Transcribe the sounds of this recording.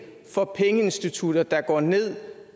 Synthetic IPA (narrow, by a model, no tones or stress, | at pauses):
fɒ̽pʰeŋəe̝nsd̥it͡sʰud̥ɐd̥ɑ̈ɡ̥ɒ̰ːne̝ð̰ˠ